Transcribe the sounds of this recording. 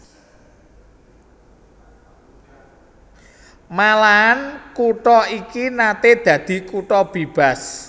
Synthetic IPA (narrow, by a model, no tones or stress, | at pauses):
malaɦankuʈɔikinat̪ed̪̥ä̤d̪̥i̤kuʈɔb̥eb̥a̤s